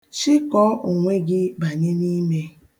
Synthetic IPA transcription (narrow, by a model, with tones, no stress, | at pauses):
t͡ʃɪ˦kɔ˨˦o˨ŋʷe˦ɡɪ˦ba˨ɲe˦ni˦me˦